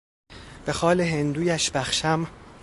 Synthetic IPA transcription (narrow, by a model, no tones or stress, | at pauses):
b̥e̞xɒːleɦe̞nd̪uːjæʃbæxʃæm